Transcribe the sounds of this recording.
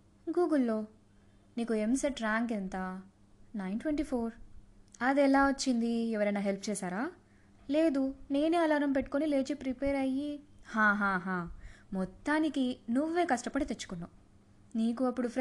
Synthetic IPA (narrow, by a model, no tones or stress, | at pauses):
ɡuːɡulːo̞ː | niːkue̞mseʈɾaːŋɡent̪a | nɐjnʈʋeɳʈiːpʰoːɾɐd̪ɛlaːut͡ʃːind̪iɛʋɐɾɐjnaːɦelp̚ʰt͡ʃɛːsaːɾaː | le̞ːd̪une̞ːneɐlaːɾɐmp̬eʈːu̥konile̞ːt͡ʃipɾipeːɾɐjihãːɦãːɦãːmɔt̪ːaːnikinuʋːe̞ːkɐʂʈɐpɐɽit̪et͡ʃːu̥kunːa | niːkuɐpːuɽupʰɾ